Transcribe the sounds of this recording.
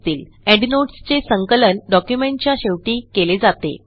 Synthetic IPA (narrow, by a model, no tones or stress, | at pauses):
t̪iːl | ɛɖnoʈst͡sesəŋkələnɖɔkjumẽɳʈ̚t͡ɕjaɕeʋʈiːkeled͡zat̪ḛ